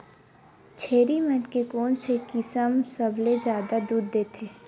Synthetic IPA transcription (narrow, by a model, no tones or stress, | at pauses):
t͡ʃʰeːɾimɐnkekoːnsekɪsəmsəbʱled͡ʒjaːd̪ad̪uːɾd̪eːt̪ʰeː